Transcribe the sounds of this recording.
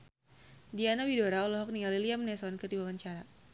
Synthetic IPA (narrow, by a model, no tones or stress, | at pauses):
dianawidoɾaɔlɔɦɔk̚niŋaliliamnɛsɔnkədibawaɲt͡ʃaɾa